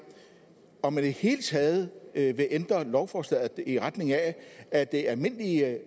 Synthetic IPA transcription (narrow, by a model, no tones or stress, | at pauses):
ɒ̽mænd̥ehe̝̰ːlət͡sʰɛːð̞̩ˠʋe̝ʔend̥ʁɐlɒʊfɒːslɛð̥ˠiʁad̥ne̝ŋææd̥e̝ælme̝n̰li